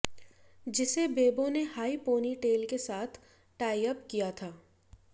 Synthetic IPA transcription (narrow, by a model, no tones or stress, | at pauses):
d͡ʒɪsebeːbõnehaːipoːniʈeːlkesaːt̪ʰ | ʈaːɪjəpkijat̪ʰaː